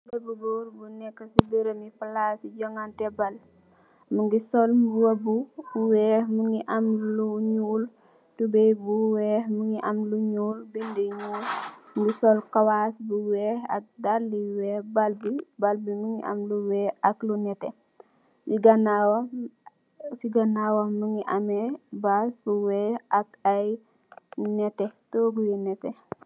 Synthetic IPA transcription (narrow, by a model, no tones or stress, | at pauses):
ŋɡəbubɔːɾbunɛkːɐsibəɾəmipalasiɟɔŋɡantɛbal | muŋɡisɔlmbuwɐbuuwɛːhmuŋɡiʔamluɲuːl | tubɛbuwɛːhmuŋɡiʔɐmluɲuːlbindɛɲuːlŋɡisɔlkawasbuwɛhɐ̰k̚daɾliwɛːbalbibalbiməŋḭʔɐ̰mluwɛːɐklunɛtɛ | iɡɐnaw | siɡɐnːawoməŋiʔamɛbasbuwɛːɐkaj | nɛtɛtɔːɡujɛnɛtɛ